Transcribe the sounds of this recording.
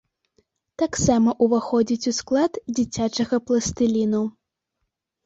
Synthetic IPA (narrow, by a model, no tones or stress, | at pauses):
t̪aksamɐʔuvaxɔd͡zʲit͡sʲusklˠad̪d͡zʲit͡sʲat͡ʂɐɣɐplˠɐst̪ɨlʲinu